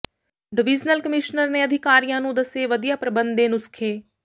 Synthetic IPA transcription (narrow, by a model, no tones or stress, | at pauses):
ɖɪʋɪːd͡ʒnəlkəmɪʃnəɾneːəd̪ʱɪkaːɾijãːnũːd̪əseːʋəd̪ijaːpɾəbənd̪ẽːnũːsɪ̥kʰeː